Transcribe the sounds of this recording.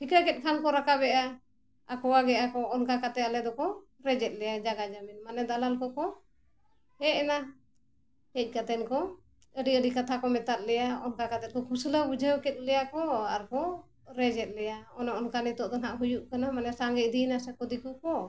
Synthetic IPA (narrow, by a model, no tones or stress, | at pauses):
pʰikɾakɛt̪̚ˀkʰankɔɾakabɛʔa | akɔwaɡɛʔakɔːnkakat̪ɛalɛd̪ɔkɔ | ɾɛd͡ʒɛt̪̚ˀlɛjad͡ʒaɡad͡ʒaminmanɛd̪alalkɔkɔ | hɛʔɛna | hɛc̚ˀkat̪ɛnkɔ | əɖiəɖikat̪ʰakɔmɛt̪at̪̚lɛjaɔnkakat̪ɛt̚kɔkʰusləbud͡ʒʱəwkɛt̪̚lɛjakɔaɾkɔ | ɾɛd͡ʒɛt̪̚lɛjaɔnɔʔɔnkanit̪ɔʔd̪ɔnaʔɦujuʔkanamanɛsaŋɡɛc̚d̪inasɛkɔd̪ikukɔ